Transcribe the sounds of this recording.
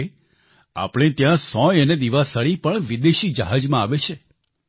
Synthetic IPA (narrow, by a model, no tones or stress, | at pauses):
a̰pɽ̃ẽt̪jãsɔ̃jəned̪iʋasəɭipəɳʋid̪eʃid͡ʒəɦad͡ʒmãaʋet͡ʃʰe